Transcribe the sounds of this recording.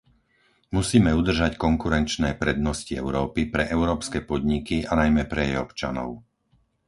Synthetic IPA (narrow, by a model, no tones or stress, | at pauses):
musiːmɛud̪r̩ʒackɔŋkuɾɛnt͡ʃnɛːpɾɛd̪nɔsciɛʊɾɔːpipɾɛʔɛʊɾɔːpskɛːpɔd̪ɲikianajmɛpɾɛjɛ̰jɔpt͡ʃa̰nɔ̰ʊ